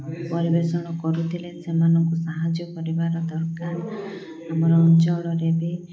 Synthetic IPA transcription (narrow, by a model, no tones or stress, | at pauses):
pɔɾibesɔɽɔkɔɾut̪ʰilesemanɔŋkusaɦad͡ʒjɔkɔɾibaɾɔd̪ɔɾkaɾ | amɔɾɔːnt͡ʃɔɭɔɾebe